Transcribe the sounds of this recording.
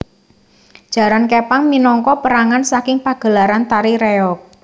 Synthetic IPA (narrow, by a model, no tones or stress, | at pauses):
d̥ʒ̥ä̤ɾankepaŋminɔŋkɔpəɾaŋansakɪŋpaɡ̥ə̤laɾant̪aɾiɾeɔk̚